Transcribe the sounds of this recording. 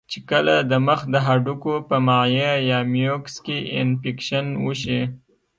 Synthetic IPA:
t͡ʃekəlad̪əməxd̪əɦaɖukopəmajejɑmjokskeɪnfikʃanwuʃi

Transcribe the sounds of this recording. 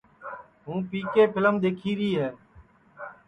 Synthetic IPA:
ɦũːpiːkeːpʰɪləmd̪eːkʰiːɾiːɦɛː

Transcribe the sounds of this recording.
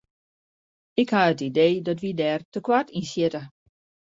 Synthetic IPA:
ɪkhaətideːdɔtʋidɛːrtəkwatʰinsjɪtə

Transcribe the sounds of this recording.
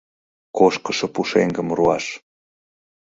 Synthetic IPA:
koʃkəʃɤ̆puʃeŋɡə̆mruɑʃ

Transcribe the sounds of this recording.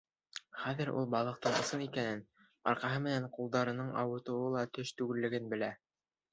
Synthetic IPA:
χæðɘ̆ɾṵlˠbɑlˠɤ̆q̚t̪ɤɴŏsɤnikænɘn | ɑ̰ɾqɑɦɤmɘ̆næɴqulˠd̪ɑɾɤ̆nɤɴɑ̰wɤ̆t̪ɤ̆wɤlˠɑt̪ɵʃt̪ʉɡɘ̆lːɘ̆ɡɘnbɘ̆læ

